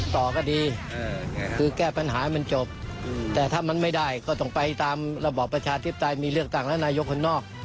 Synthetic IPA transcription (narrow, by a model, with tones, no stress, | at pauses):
t̪ɔː˨˩kɔː˥˩diː˧ | kʰɯː˧kɛː˥˩pa˧nɦa̰ː˩˦˥ma˧nt͡ɕo˨˩p̚t̪ɛː˨˩t̪ʰaː˥˩ma˧nma˥˩jda˥˩jkɔː˥˩t̪ɔ˥˩ŋpa˧jt̪aː˧mɾa˧bɔː˨˩pːɾa˧t͡ɕʰaː˧t̪ʰi˦˥pːa˧˩t̪a˧jmiː˧lɯ˥˩ək̚t̪a˥˩ŋlɛ˦˥wnaː˧jo˦˥kʰːo˧nːɔː˥˩k̚